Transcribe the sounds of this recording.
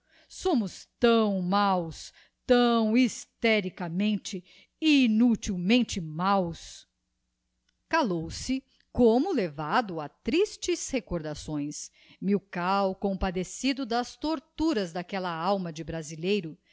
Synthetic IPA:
sõmʊst̪ɐ̃w̃maws | t̪ɐ̃w̃ist̪ɛɾikɐmẽnt͡ʃɪ | inut͡ʃiwmẽnt͡ʃɪmaws | kalowsɪ | kõmʊlevad̪ʊat̪ɾist͡ʃɪshekoɾd̪asõj̃s | miwkawkõpad̪esid̪ʊd̪ɐst̪oɾt̪uɾɐzd̪akɛlɐawmɐd͡ʒɪbɾazilejɾʊ

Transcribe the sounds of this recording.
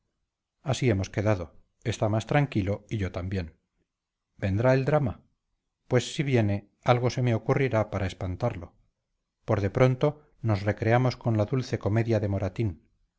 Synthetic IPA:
asie̞mo̞ske̞ðaðo̞ | e̞st̪amast̪ɾaŋkilo̞iʝo̞t̪ambje̞n | be̞nd̪ɾae̞ld̪ɾama | pwe̞sːiβje̞ne̞ | alɣ̞o̞se̞me̞okuriɾapaɾʔae̞spant̪aɾlo̞ | po̞ɾðe̞pɾo̞nt̪o̞ | no̞sre̞kɾe̞amo̞sko̞nlaðulθe̞ko̞me̞ðjaðe̞mo̞ɾat̪in

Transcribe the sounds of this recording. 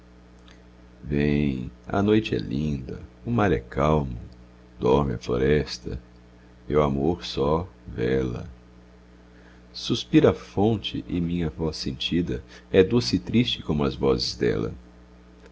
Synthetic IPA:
vẽj̃ɐ̰nojt͡ʃɪɛ̰lĩnd̪ɐ̰ʊmaɾɛkawmʊ | d̪ɔɾmɪɐfloɾɛst̪ɐ̰ | mewamoɾsɔvɛlɐ̰ | suspiɾɐfõnt͡ʃɪ̰ʔɪmĩɲɐvɔsːẽnt͡ʃid̪ɐɛd̪osɪt̪ɾist͡ʃɪkõmʊɐzvɔzɪzd̪ɛ̰lɐ̰

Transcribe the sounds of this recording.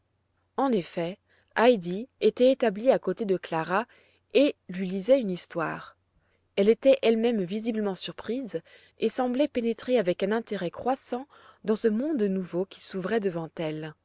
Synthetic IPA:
ɑ̃nefɛ | ajd̪iet̪ɛet̪abliakot̪ed̪əklaʁa | elɥilizɛynist̪wa̰ːʁ | ɛlet̪ɛʔɛlmɛmvizibləmɑ̃syʁpχiz | esɑ̃blɛpenet̪χeavɛkɛ̃nɛ̃t̪eʁɛkχwasɑ̃ | d̪ɑ̃səmɔ̃d̪nuvokʲi̥suvʁɛd̪əvɑ̃t̪ɛl

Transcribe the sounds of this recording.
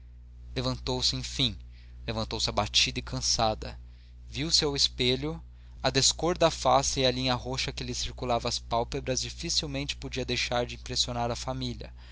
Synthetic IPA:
levɐ̃nt̪owsɪẽj̃fĩj̃ | levɐ̃nt̪owsɪabat͡ʃid̪ɐɪkʰɐ̃sad̪ɐ | viwseawɪspeʎʊ | ɐd̪eskoɾd̪ɐafasɪiɐlĩɲɐɦoʃɐkɪlɪsiɾkulavɐːspawpebɾɐzd͡ʒifisiwmẽnt͡ʃɪ̥pod͡ʒiɐd̪ejʃaɾd͡ʒɪĩpɾesionaɾɐfamiʎɐ̰

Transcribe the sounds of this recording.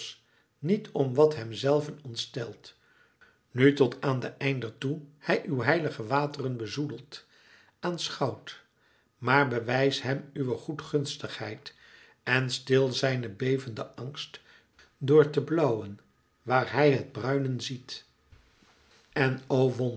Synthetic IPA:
s | nitʰɔmʋɑtɦɛmzɛlˠvənɔntstɛlˠt | nytɔtʰaːndəʔɛjndətuhɛjʔywɦɛjləχəʋaːtərənbəzudəlˠt | ʔaːnsχɑwt | maːɹbəʋɛjsɦɛmyʋəχutχɵnstəχhɛjt | ɛnstɪlˠzɛjnəbejvəndəʔɑŋst | dʊːɹtəblɑwən | ʋaːɹɦɛjɦəd̚brœɥnənzit | ɛnowʋɔn

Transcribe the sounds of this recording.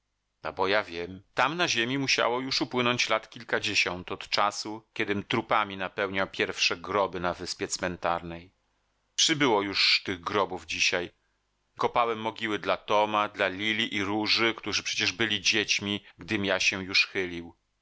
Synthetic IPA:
a̰bɔjavʲjɛmt̪amnaʑemʲimuɕa̰wɔjuʂupwɘnɔɲt͡ɕlat̪kʲilkad͡ʑeɕɔnt̪ɔt̪t͡ʂasukʲɛd̪ɘmt̪ɾupamʲinapɛwɲawpʲjɛɾfʂɛɡɾɔbɘnavɘspʲjɛt̪smɛnt̪aɾnɛj | pʂɨbɘwɔjuʂt̪ɘɣɡɾɔbuvd͡ʑiɕaj | kɔpawɛmːɔɡʲiwɘd̪lat̪ɔmad̪lalʲilʲiʔiɾuʐɘkt̪uʐɨpʂɛ̥t͡ɕɛʐbɘlʲid͡ʑet͡ɕmʲiɡd̪ɘmʲjaɕɛjuʂxɘlʲiw

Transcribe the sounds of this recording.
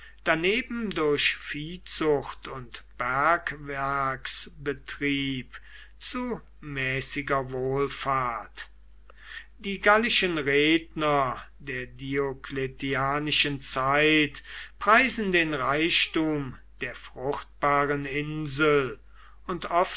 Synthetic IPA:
d̥aneːbm̩dʊɐɕfiːt͡sʊxtʊntb̥æɐkvɛɐksbətʁ̥iːp | t͡su | mɛːsɪɡɐvoːlfaɐt | d̥iːɡalɪʃənʁeːdnɐdeːɐdiokletiaːnɪʃənt͡saɪtpʁ̥aɪzn̩deːnʁaɪʃtuːmd̥eːɐfʁ̥ʊxt̚b̥aːʁənɪnzəl̩ | ʊntɔf

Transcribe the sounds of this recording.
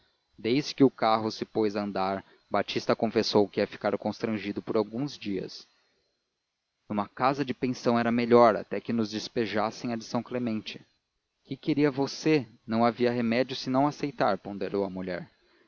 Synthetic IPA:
d̪ejzd͡ʒɪkɪʊkaɦʊsɪpojzɐ̃nd̪aɾ | bat͡ʃist̪ɐkõfesowkɪɛfi̥kaɾkõst̪ɾɐ̃ʒid̪ʊpʊɾawɡũzd͡ʒiɐ̰s | ũmɐkazɐd͡ʒɪpẽsɐ̃w̃ɛɾɐmeʎɔɾa̰t̪ɛkɪnʊzd͡ʒɪspeʒasẽj̃ɐd͡ʒɪsɐ̃w̃klemẽnt͡ʃɪ̥ | kɪkeɾiɐvosenɐ̃w̃aviɐɦemɛd͡ʒʊsɪnɐ̃w̃asejt̪aɾpõnd̪eɾowɐmuʎɛ̰ɾ

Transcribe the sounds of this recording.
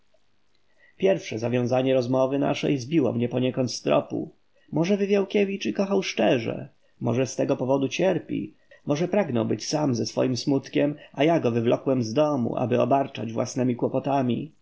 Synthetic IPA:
pʲjɛɾfʂɛzavʲjɔ̃w̃zaɲɛɾɔzmɔvɘna̰ʂɛ̰jzbʲiwɔ̰mɲɛpɔɲɛkɔnt̪st̪ɾɔ̰pṵ | mɔʐɛvɘvʲjawkʲɛvʲit͡ʂikɔxawʂt͡ʂɛʐɛ̰ | mɔʐɛst̪ɛɡɔpɔvɔd̪ut͡ɕɛɾpʲḭ | mɔʐɛpɾaɡnɔwbɘt͡ɕsamzɛsfɔ̰jimsmut̪kʲɛmajaɡɔvɘvlɔkwɛmzd̪ɔmṵʔa̰bɘɔ̰baɾt͡ʂa̰d͡ʑvwa̰snɛmʲikwɔpɔt̪amʲḭ

